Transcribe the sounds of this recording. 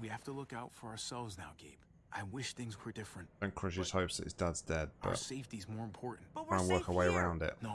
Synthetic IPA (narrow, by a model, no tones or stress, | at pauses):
wihæftəlʊkaʊtfə˞ə˞sɛlˠvznaʊɡeɪp | ʔaɪwɪʃθɪ̃ŋzkʰw̥ɪd̥ɪfɹɨ̃ntnkʰɹ̥ɪʒiz̥həʊpsðətḭzdʌdzdɛd̚b̥ʌ̰tseɪftizmɔɹɨ̃mpʰɔɹʔn̩ãɪ̃wɜˑkəweɪəɹãʊ̃ndɪ̰ʔno